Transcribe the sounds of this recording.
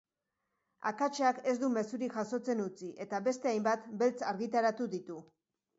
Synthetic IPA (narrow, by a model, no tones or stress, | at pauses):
a̰kat͡ʃeake̞zd̪ume̞suɾiʝaso̞t͡se̞nut͡siʔe̞t̪aβe̞st̪e̞ajmbat̪be̞lt͡saɾɣit̪aɾat̪uðit̪u